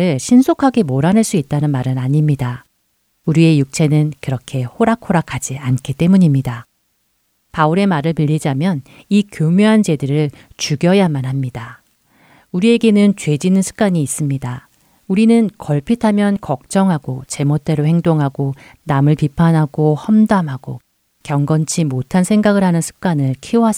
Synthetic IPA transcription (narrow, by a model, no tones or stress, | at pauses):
ɯɭɕʰinsʰokʰaɡe̞moɾanɦɯɭs͈uit̚t͈anɯnmaɾɯnaɲimɲida | uɾie̞juk̚t͡ɕʰe̞nɯnkɯɾʌkʰe̞hoɾakʰoɾakʰad͡ʑiankʰit͈e̞muɲimɲida | pauɾe̞maɾɯɭmiʎːid͡ʑamjʌn | ikjomjuɦant͡ɕe̞dɯɾɯɭt͡ɕuɡjʌjamanɦamɲida | uɾie̞ɡe̞nɯnt͡ɕwe̞d͡ʑinɯnsʰɯ̥k̚k͈aɲiːs͈ɯmɲida | uɾinɯnkʌɭpʰitʰamjʌnkʌk̚t͡ɕ͈ʌŋɦaɡot͡ɕe̞mot̚t͈e̞ɾohe̞ŋdoŋɦaɡonamɯɭpipʰanɦaɡohʌmdamɦaɡo | kjʌŋɡʌnt͡ɕʰimotʰansʰe̞ŋɡaɡɯɭɦanɯnsʰɯ̥k̚k͈anɯɭkʰioɦas